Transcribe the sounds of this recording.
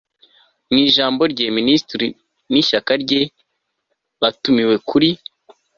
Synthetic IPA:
niːʒaːmbo̞ɾɟeːministɾi | niʃakaɾɟe | βatumiwe̞kʰuɾi

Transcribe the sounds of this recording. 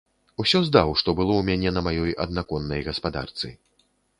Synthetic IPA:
usʲɔzd̪awʂt̪ɔbɨlˠɔwmʲanʲɛnɐmajɔjɐ̰d̪̚nakɔnːɐjɣɐspad̪a̰rt̪sɨ̰

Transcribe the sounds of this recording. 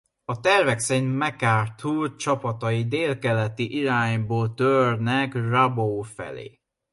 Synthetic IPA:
ɒt̪ɛrvɛkseɲmɛkaːrt̪ʰult͡ʃɒpɒt̪ɒjid̪eːlkɛlɛt̪iʔiɾaːɲboːlt̪ørnɛkrabowfɛ̰lḛː

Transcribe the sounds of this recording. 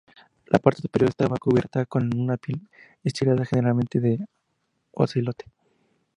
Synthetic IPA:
lʔa̰paɾt̪esu̥peɾjoɾest̪aβakuβje̞̰ɾt̪ako̞nunapjel | est̪ilaðaxeneɾalmẽ̞nt̪eðe | wa̰silot̪e̥

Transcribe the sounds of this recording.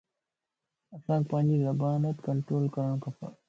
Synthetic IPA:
ɐsãːŋk̚pãːɲd͡ʑizɐbaːnɐt̪kɐɳʈɾoːlkɐɾɐɳ̃kʰɐfa̰

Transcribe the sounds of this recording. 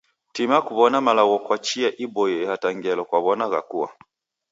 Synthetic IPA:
timakuβɔnamalaɣɔkwat͡ʃiaʔibɔjɛhataŋɡɛlɔkwaβɔnaɣa̰kuwa̰

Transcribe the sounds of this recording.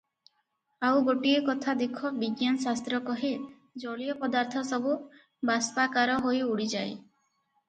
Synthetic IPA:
awɡoʈiekɔt̪ʰad̪ekʰɔbiɡjansast̪ɾɔkɔɦe | d͡ʒɔɭijɔpɔd̪aɾt̪ʰɔsɔbu | baspakaɾɔɦojuɽid͡ʒaj

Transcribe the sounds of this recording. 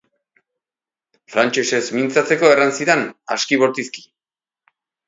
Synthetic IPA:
fɾant͡ʃe̞se̞zmint͡sat͡se̞ko̞eransiðenaskiβo̞ɾt̪iski̥

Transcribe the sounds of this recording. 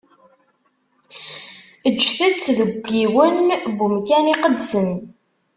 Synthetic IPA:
əʒːθæt͡sːðəɡʷːiwənbumkæniqəd̪sən

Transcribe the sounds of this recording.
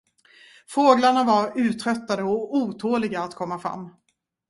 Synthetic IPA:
foːɡlaɳavaɾʉ̟ːt̪ʰɾœt̪ːad̪əɔuːt̪ʰoːlɪɡaːt̪kʰɔmːafɾa̰mː

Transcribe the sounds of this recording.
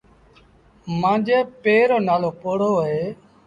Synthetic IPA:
mãːd͡ʒeːpeːɾoːnaːloːpoːɽoːɦeː

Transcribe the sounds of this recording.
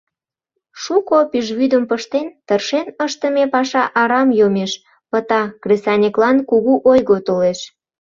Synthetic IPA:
ʃukopiʒβyd̪əmpəʃt̪ent̪ərʃenəʃt̪əmepɑʃɑʔɑɾɑmjomeʃ | pət̪ɑkrʲesɑnʲeklɑnkuɣuʔojɣot̪oleʃ

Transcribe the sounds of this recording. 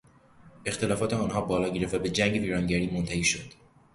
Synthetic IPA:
ext̪ʰe̞lɒːfɒːt̪ʰeɒːnɦɒːbɒːlɒːɟeɾefvæbe̞d͡ʒæŋɟe̞viːɾɒːŋɟæɾiːmont̪ʰæhiːʃod̪̥

